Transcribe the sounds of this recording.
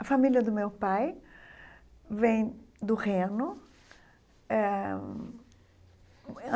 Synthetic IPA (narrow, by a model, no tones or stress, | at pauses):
ɐfamiljɐd̪ʊmewpaj | vẽj̃d̪ʊʁẽnʊ | ɛ